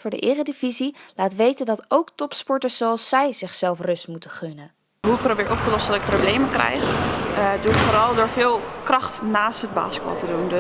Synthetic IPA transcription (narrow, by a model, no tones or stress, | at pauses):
fʊːɹdə̰ʔɪːrədivizilaːtʋejtəndɑtowktɔpspɔɹtəzowɑlˠsɛjzɪχsɛlˠfrɵstmutəχønən | ɦuɪk̚prowbɪːɹʔɔp̚təlɔsəndɑtɪk̚prowblejməkrɛ̰jχ | duɪkfoːɾɑlˠdʊːɹvɪːlˠkrɑχtnaːstɦəd̚ba̰ːskɑ̰lˠtədund